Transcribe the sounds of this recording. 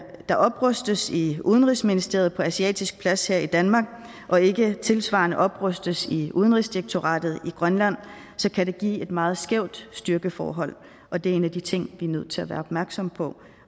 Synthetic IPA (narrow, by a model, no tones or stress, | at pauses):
d̥ɑ̈ʔɒ̽b̥ʁœsd̥əsiuːð̞ˠənʁisminisd̥e̝ɐð̞̩ˠpʰɒ̽æsiɛ̰ːd̥isɡ̥̚pʰlæsheɐ̰id̥ænmɑ̈ːɡ̥ | ʔɒ̽e̝ɡ̥ət͡sʰe̝lsʋɑ̰̈ːɐnəʔɒ̽b̥ʁœsd̥əsiʔuð̞ˠən̩ʁisd̥ieɡ̥̚t͡sʰo̝ʁɑ̰̈ːd̥ð̩ˠiɡ̥ʁɶnlæn̰ | sɒ̽kʰæde̝ɡ̥ḭːe̝d̥mɑ̈ːð̞̩ˠsɡ̥eʊ̰d̥sd̥yɐɡ̥əfɒ̰ːɦɒ̽l̰ | ʔɒ̽d̥e̝e̝næd̥it͡sʰe̝ŋ̰ʋiænøð̞̰ˠt͡sʰe̝læʋæːɐɒ̽b̥mæɐɡ̥sɒ̽mpʰɒ̽